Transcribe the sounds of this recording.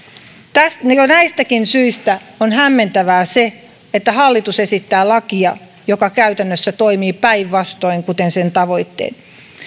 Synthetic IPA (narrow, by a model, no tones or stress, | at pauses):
t̪æstnjonæist̪ækinsyist̪æonhæmːent̪æʋæːse | et̪ːæhɑlːit̪usesit̪ːæːlɑkiɑ | jokɑkæyt̪ænːøsːæt̪oimiːpæiʋʋɑst̪oiŋkut̪ensent̪ɑʋo̞it̪ːḛːn